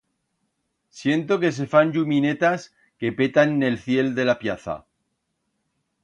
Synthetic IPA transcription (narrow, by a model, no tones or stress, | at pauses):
sje̞nt̪o̞ke̞s̬e̞fanʎumĩne̞t̪as | ke̞pe̞t̪anːe̞lθje̞ld̪e̞lapjaθa̰